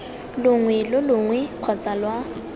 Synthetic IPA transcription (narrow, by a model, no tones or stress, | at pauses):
lʊŋwɛlʊlʊŋwɛq͡χʰɔt͡salwa